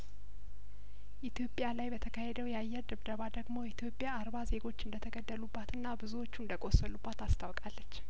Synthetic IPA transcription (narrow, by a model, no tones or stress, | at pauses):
ʔit̪ʰjo̞pʼjalajbət̪ʰəkʰahe̞d̪əwjɛajːɛɾd̪ɨβd̪əβad̪əɡmo̞jɛit̪ʰjo̞pʼjaːɾbaze̞ɡo̞t͡ʃːɨnd̪ət̪ʰəɡəd̪ːəlubːat̪ɨnːabɨzuwo̞t͡ʃːuɨnd̪əkʼo̞səlubːat̪ast̪ʰawkʼalːət͡ʃː